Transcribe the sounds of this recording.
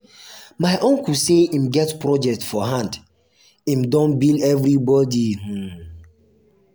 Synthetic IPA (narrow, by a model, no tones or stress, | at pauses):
maɪʔõnkuseimɡɛtpɹɔd͡ʒɛk̚tfɔɦãnd | ĩmdɔ̃nbildɛvɾibɔdih̩